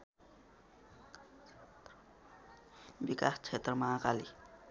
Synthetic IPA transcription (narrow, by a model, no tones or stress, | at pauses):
bikast͡ʃʰet̪rʌmaːkali